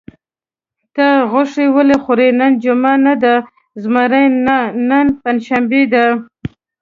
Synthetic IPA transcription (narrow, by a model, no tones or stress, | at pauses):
t̪aɣʊʂewəlexʊɾenand͡ʒʊmanad̪a | zmaɾajnənpanʃambed̪a